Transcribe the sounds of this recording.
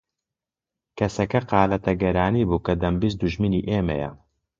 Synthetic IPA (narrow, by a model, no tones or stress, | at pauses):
kʰɐsɐkɐqɑːlɐt̪ʰɐɡɐɾaːniːbuːkɐd̪ɐmbis̬d̪uʒminiːʔeːmɐ̰jɐ̰